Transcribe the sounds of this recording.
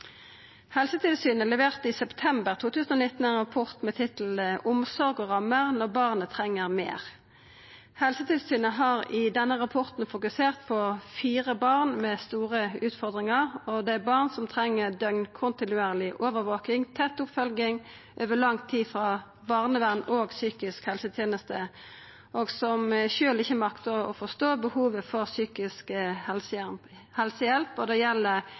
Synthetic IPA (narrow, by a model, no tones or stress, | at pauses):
hɛlsət̪ʰɪlsyːnəlɛʋeːʁt̪ɪsɛpt̪ʰɛmbəʁt̪ʰuːt̪ʉːsən̩ɔnɪt̪ːn̩ɛnʁɑpʰɔʁt̪mɛt̪ʰɪt̪l̩əʔʊmsɔʁɡɔʁɑmːəʁnɔʁbɑːʁnət̪ʰʁɛŋːəʁmḛːʁ | hɛlsət̪ʰɪlsyːnəɦɑʁɪd̪ɛnːəʁɑpʰɔʁt̪n̩fʊkʉseːʁt̪pʰɔfiːʁəbɑʁnmɛːst̪uːʁəʉːt̪fɔʁd̪ʁɪŋəʁɔd̪ɛæbɑʁnsɔmt̪ʰɾɛŋːəd̪œŋnkʰʊnt̪ɪnʉeːʁlɪʔoːʋəɾʋoːkɪŋt̪ʰɛt̪ːʊpfœlɡɪŋ | ʔøːʋəlɑŋt̪ʰːiːfʁɑː | ʋɑʁnəʋæʁnoːɡsyːkɪskhɛlsət̪ʰjeːnəst̪ə | ʔoːɡsɔmʃøːlɪçːəmɑkt̪əʁɔ̰fɔʁst̪oːbəhuːʋəfɔʁsyːkɪskə | hɛlsəjɛlpɔd̪ɛjɛlːə